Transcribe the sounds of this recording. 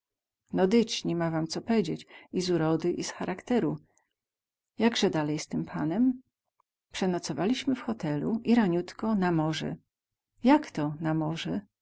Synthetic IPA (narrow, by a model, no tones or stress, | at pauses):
nɔd̪ɘt͡ɕɲimavamt̪sɔpɛd͡ʑet͡ɕizuɾɔd̪ɘʔisxaɾʔakt̪ɛɾu | jaɡʐɛd̪alɛjst̪ɘmpʰanɛm | pʂɛnɔt̪sɔvalʲiɕmɘfxɔt̪ɛlṵiɾaɲut̪kɔnamɔʐɛ̰ | jakt̪ɔnamɔʐɛ